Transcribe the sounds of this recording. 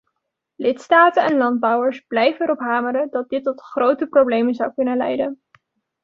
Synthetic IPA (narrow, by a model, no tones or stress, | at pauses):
lɪtstaːtənɛnlɑnd̚bɑwəɹsblɛjvənɛɾɔpɦaːməɾədɑt̚dɪtːɔtχrowtəprowblejmənzʌwkɵnənlɛ̰jdən